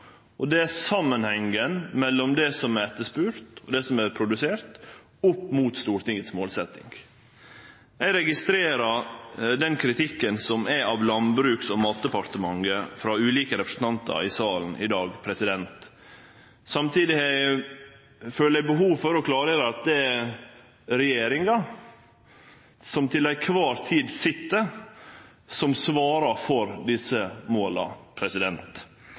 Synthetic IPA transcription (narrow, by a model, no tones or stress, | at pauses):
ʔɔd̪ɛæsɑmːənhɛŋənmɛlːɔmd̪ɛsɔmæɾɛt̪ːəspʉːɾt̪ɔd̪ɛsɔmæɾpʰɾʊd̪ʉseːɾt̪ | ʊpːmuːt̪st̪uːɾt̪ɪŋːət̪smoːlsɛt̪ɪ̰ŋɡ | ɛɡɾɛɡɪst̪ɾeːɾɑɾd̪ɛnkʰɾɪt̪ʰɪkːənsɔmæɑːʋlɑnbɾʉːksɔmɑːt̪̚d̪əpɑɾt̪əmɑŋəfɾɑːʉːliːkəɾɛpɾə̥sn̩t̪ʰɑnt̪ə̰ɾɪsɑːln̩ʔɪ̰d̪ɑːɡpʰɾɛsɪd̪ɛnt̪ | sɑmt̪iːd̪ɪɛ | føːləæbəɦuːʋfɔɾɔkʰlɑːɾeːɾəɑt̪̚d̪ɛæ | ɾɛjeːɾɪŋɑ | sɔmt̪ʰɪlːæɡkʰʋɑːɾt̪ʰiːd̪sɪt̪ːəɾ | sɔmsʋɑːɾɑɾfɔɾd̪ɪsəmoːlɑ̰pʰɾɛsɪd̪ɛnt̪